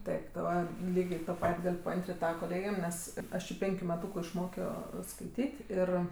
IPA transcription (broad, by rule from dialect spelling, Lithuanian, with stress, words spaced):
ˈtɐɪp ˈʋɐ ˈlʲiːɡʲeː toː ˈpɐtʲ ˈɡɐlʲ pɐˈɐnʲtʲrʲɪnʲtʲ ˈtɑːʋɐ koːˈlʲeːɡʲeːm ˈnʲɛs ˈɐʃ jɪ ˈpʲɛŋʲkʲʊ mʲɛˈtuːkʊ ɪʃˈmoːkʲoː skɐɪˈtʲiːtʲ ˈɪr